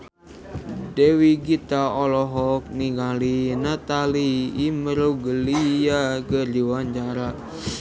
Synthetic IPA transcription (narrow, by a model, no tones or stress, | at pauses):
dewiɡit̪aɔlɔɦɔk̚niŋalinat̪aliːmɾoɡəlijaɡərdiwaɲt͡ʃaɾa